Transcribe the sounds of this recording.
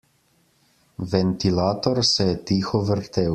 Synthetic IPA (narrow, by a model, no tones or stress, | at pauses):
ʋɛnt̪ilaːt̪ɔɾsɛjɛt̪iːxɔʋəɾt̪eːw